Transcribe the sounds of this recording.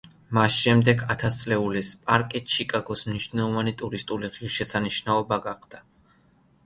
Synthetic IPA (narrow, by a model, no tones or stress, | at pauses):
masʃɛmd̪ɛɡat̪ʰast̪sʼlɛulispʼaɾkʼɛt̪t͡ʃʰikʼaɡɔsmniʃnɛlˠɔvanit̪ʼuɾist̪ʼuliʁiɾʃɛsaniʃnaɔbaɡaqʰʼd̪̥a